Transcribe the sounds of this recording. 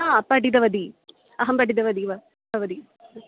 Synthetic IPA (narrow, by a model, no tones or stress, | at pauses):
aɐpɐɖid̪ɐʋɐd̪i | ɐɦɐmbɐɽid̪ɐʋɐd̪iʋɐ | ɐʋɐd̪i